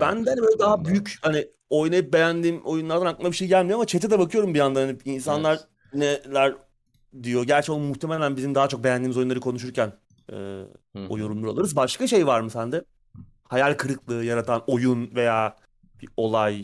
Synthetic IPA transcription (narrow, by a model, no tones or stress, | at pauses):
bænd̪ɛanibølʲɛd̪aɦabyjychani | o̞jnajɯp̚be̞jænd̪iːmo̞junlˠaɾd̪anaklˠmabiʃe̞jɟælʲmijo̞amat͡ʃʰe̞t̪̬ʰɛd̪ɛbakɯjo̞ɾumbijand̪anhaniins̬anlˠaɾ | nɛlʲæɾ | d̪ijo̞ɟæɾt͡ʃɛolˠmmuxt̪ʰemelʲænbizimd̪aɦat͡ʃʰo̞k̚bejænd̪iːmizo̞junˠaɾɯkʰo̞nuʃ̬uɾcæn | ɯ̰ːo̞̰joɾunlˠuɾalˠɯɾɯzbaʃkaʃejvaɾmɯsænd̪ɛ | hajalʲkʰɯɾɯklˠɯːjaɾat̪ʰano̞junve̞jaː | b̥io̞lˠaj